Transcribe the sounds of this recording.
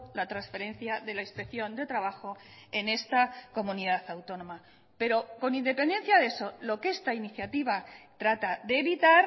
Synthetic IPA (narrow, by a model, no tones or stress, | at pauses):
lat̪ɾansfe̞ɾẽ̞nθjaðe̞laispekθjo̞nd̪e̞t̪ɾaβ̞axo̞e̞ne̞st̪ako̞mũniðaθawt̪o̞nõ̞ma | pe̞ɾo̞ko̞nĩnd̪e̞pe̞nd̪e̞nθjaðe̞so̞lo̞ke̞st̪ainiθjat̪iβat̪ɾat̪aðe̞ːβit̪aɾ